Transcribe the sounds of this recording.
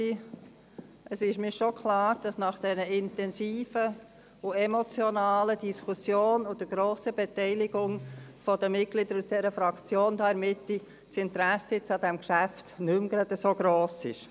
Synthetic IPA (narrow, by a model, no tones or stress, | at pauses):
i | ʔəsɪʃmiːɾʃokʰlɑːɾd̥ɑsnɑχd̥ɛnəɪntɛnsiːfə | ʊɛmɔt͡sjɔnɑːləd̥iskʰusjoːnʊd̥əɡɾoːsəbɛt̪ɛɪlɪɡʊŋfɔd̥əmɪt̚ɡ̥lid̥̪əɾusd̥ɛɾəfɾɑkt͡sjoːnd̥̪ɑːɛɾmɪtːi | tsɪnt̪ɾæsəjɪt͡sɑd̥̪ɛmkʃæftnʏmɡ̥ɾɑd̪əsoɡ̥ɾoːsɪʃ